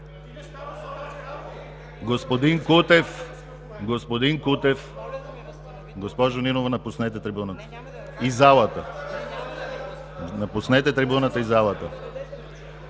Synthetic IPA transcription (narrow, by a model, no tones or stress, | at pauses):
ɡospod̪iŋkut̪ɛf | ɡospod̪iŋkut̪ɛf | ɡospɔʒoninovanapusnɛt̪ɛt̪ɾibunat̪ḁ | izalˠat̪a | napusnɛt̪ɛt̪ɾɛbunat̪aizalˠat̪a